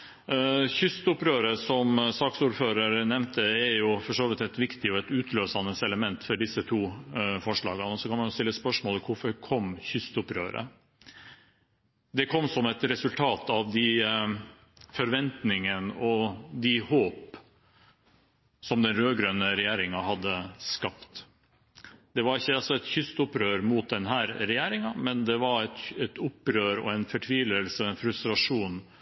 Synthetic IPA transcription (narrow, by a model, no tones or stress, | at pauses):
çʏst̪ʊpɾøːɾəsɔmsɑːksuːɾføːɾəɾnɛmnt̪ʰəɛɾjʊfɔʂoːʋɪt̪ɛt̪ʋɪkt̪ɪɔɛt̪ʉːt̪ʰløːsɑnəsɛləmɛnt̪fɔɖɪsːət̪ʰuːfɔʂɭɑ̰ːɡənɔsɔkʰɑnmɑnjʊst̪ɪlːəspœʂmoːləkʰʊfɔɾkʰɔmçʏst̪ʊpɾø̰ːɾə̰ | d̪ɛkʰɔmːsɔmɛt̪ɾɛsʉlt̪ʰɑːt̪ɑʋd̪ɪ | fɔɾʋɛnt̪nɪŋənɔd̪ɪhoːp | sɔmd̪ɛnɾøːɡɾøːnəɾɛjeːɾɪŋɑhɑd̪ːəskɑpt̪ | d̪ɛʋɑɾɪçːəɑlsɔɛt̪çʏst̪ʊpɾøːɾmuːt̪̚d̪ɛnɦæːɾɾɛjeːɾɪŋɑmɛnd̪ɛʋɑɾɛt̪ɛt̪ʊpːɾøːɾɔ̰ɛnfɔʈʰʋiːʋləlsəɔɛnfɾʉst̪ɾɑʂuːn